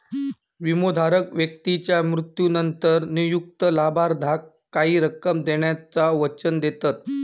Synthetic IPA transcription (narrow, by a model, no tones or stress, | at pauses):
ʋimod̪ʱaɾəkʋjək̚t̪it͡ɕjamɾut̪junənt̪əɾnijuk̚t̪əlabaɾd̪ʱakːaɦiːɾəkəmd̪eɳjat͡saʋət͡ɕənd̪et̪at̪̚